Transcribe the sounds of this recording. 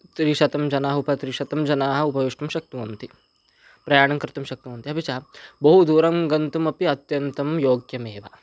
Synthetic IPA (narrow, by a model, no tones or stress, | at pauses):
t̪ɾiʃɐt̪ɐmd͡ʒɐnaːɦupɐt̪ɾiʃɐt̪ɐmd͡ʒɐnaːɦɐ̆upɐʋiʂʈɐmʃɐk̚t̪umɐnt̪i | pɾɐjaːɳɐmkɾɪt̪ɐmʃɐk̚t̪uʋɐnt̪iɦɐpit͡ʃaːbɐɦud̪uːɾɐmɡɐnt̪umɐpiɐt̪jɐnt̪ɐmjoːɡjɐmeːʋɐ